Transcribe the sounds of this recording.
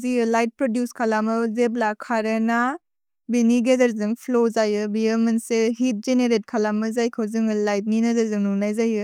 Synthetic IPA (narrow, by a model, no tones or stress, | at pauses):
zijɯlajt̚pɾodjuskʰalamɯzeblakʰaɾena | biniɡedɐɾzɯŋpʰlozajɯbijɯmɯnseɦit̚zeneɾet̚kʰalamɯzajkʰawzɯŋɯlajt̚ninɐdɐɾzɯŋnunajzajɯ